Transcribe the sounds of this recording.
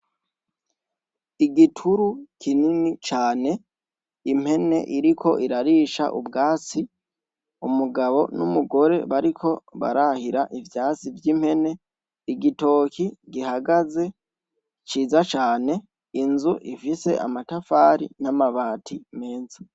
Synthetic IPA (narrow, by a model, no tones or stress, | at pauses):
iɡitʰuɾukʰininit͡ʃaːne̞ | im̥he̞ne̞̰ʔiɾikʰo̞ʔiɾaɾiʃa̰ʔṵbɡaːt͡si | umuɡaβo̞numuɡo̞ɾe̞βaɾikʰo̞βa̰ɾahiɾaʔivjaːt͡sivjiːm̥he̞ne̞ | iɡito̞ːkʰiɡihaɡaze̞ | t͡ʃiːzat͡ʃaːne̞ | inzuʔifise̞̰ʔa̰matafaɾḭnamaβaːtʰime̞ːnza